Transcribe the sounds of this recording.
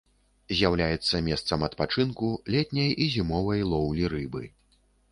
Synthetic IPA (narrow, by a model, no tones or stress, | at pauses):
zʲjawlʲajɛt̪sːɐmʲɛst̪sɐmɐt̪pat͡ʂɨnkulʲɛt̪ʲnʲɐjizʲimɔvɐjlˠɔwlʲiɾɨbɨ